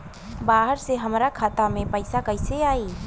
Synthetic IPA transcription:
baːɦəɾseɦəmɾakʰaːt̪amẽpəɪsakəɪseaːiː

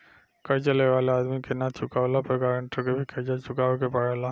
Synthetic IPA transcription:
kɐɾt͡ʃəleʋaːleaːd̪mikenat͡ʃʰʊkaːʋlapəkaɾəɳʈokebʱikʰəd͡ʒat͡ʃʊkaːʋekepəɽɛla

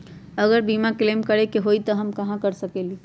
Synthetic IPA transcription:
əɡəɾbimaklemkəɾekeɦoijt̪ɔɦəmkəɦãkəɾsəkeli

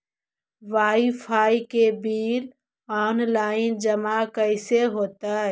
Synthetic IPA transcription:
ʋaːifʰaːikebiːɾ | ɔːnlaːɪnd͡ʒɐmakəɪseɦoːt̪aːɦɛː

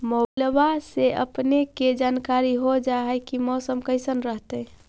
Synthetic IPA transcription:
molbaseʔə̰pneked͡ʒaːnkaɾiɦod͡ʒaɦɛkimɔːsəmkəɪsənɾəɦt̪ɛ

